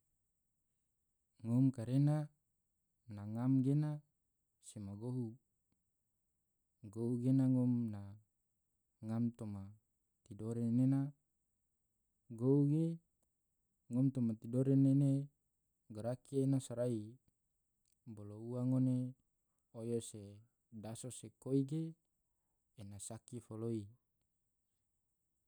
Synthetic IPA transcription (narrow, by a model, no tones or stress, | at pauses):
ŋɔmkaɾena | naŋamɡena | semaɡoɦu | ɡouɡenaŋɔmna | ŋamt̪oma | t̪idoɾennena | ɡouɡe | ŋɔmt̪omat̪idoɾenene | ɡaɾakienasaɾai | bolouaŋone | ojose | dasosekoiɡe | nasakifoloi